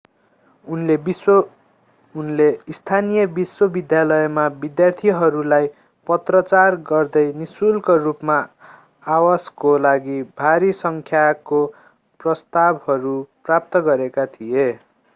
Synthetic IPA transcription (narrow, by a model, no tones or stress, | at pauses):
unle | unleist̪ʰanijʌbiswʌbid̪jalʌemabid̪jart̪ʰiɦʌɾulaj | pʌt̪rʌt͡sarɡʌrd̪ʌjnisulkʌrupmaː | waskolaɡibʱaɾisʌŋkʰjako | prʌst̪abhʌɾuprap̚t̪ʌɡʌɾekat̪ʰije